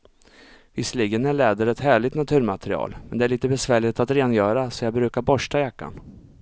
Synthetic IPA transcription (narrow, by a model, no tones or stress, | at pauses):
vɪsːliːɡənæɭɛːd̪əɾɛt̪hæːɭɪɡt̪nat̪ʰʉ̟ːɾmat̪ɛɾɪɑ̰ːlmɛnd̪ɛæɭiːt̪əbɛsvæːɭɪt̪at̪ɾeːnjœːɾasɔjɑːɡbɾʉ̟ːkaɾbɔʂʈajakːa̰n